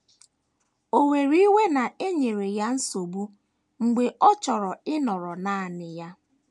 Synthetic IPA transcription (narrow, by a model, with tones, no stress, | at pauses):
o˨we˨ɾi˦we˦na˨e˦ɲe˨ɾe˨ja˦n̩˦so˨bu˦ | ŋ̩˨ɡ͡be˨ʔɔ˦t͡ʃɔ˨ɾɔ˨ɪ˦nɔ˨ɾɔ˨na˨a˨nɪ˨ja˦